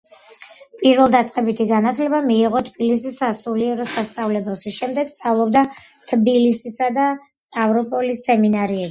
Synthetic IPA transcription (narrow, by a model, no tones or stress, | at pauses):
pʼiɾvɛlˠd̪at̪sʼqʼɛbit̪ʰiɡanat̪ʰlɛbamiːʁɔt̪ʰbilisisasuliɛɾɔsast̪sʼavlɛbɛlˠʃiʃɛmd̪ɛɡ̥st̪sʼavlˠɔbd̪at̪ʰbilisisad̪a | st̪ʼavɾɔpʼɔlisːɛminaɾiɛbi